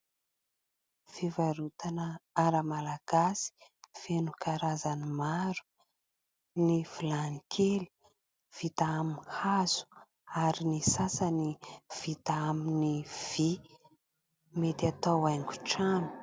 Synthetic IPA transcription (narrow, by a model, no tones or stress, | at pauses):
fivaɾut̪anəaɾəmalaɡ̥asi̥fenukaɾazanimaɾu̥ | niv̥ilanikʰeli̥ | v̥it̪aaminhaz̥u̥ | aɾinisasəniv̥it̪aaminiv̥i | met̪at̪awajŋɡu̥ʈ͡ʂanu̥